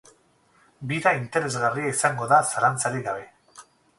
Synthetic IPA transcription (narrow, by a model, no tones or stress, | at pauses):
biɾaint̪e̞ɾe̞zɣariaisaŋɡo̞ðasaɾant͡saɾiɣaβ̞e̞